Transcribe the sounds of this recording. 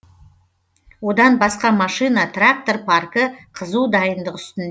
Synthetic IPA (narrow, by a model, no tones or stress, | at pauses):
wo̞d̪ɑnbɑsqɑmɑʃɨjnɑt̪ʰrak̚t̪o̞rpʰarkəqʰəzuwd̪ɑjənd̪əqʏ̥st̪ɪnd̪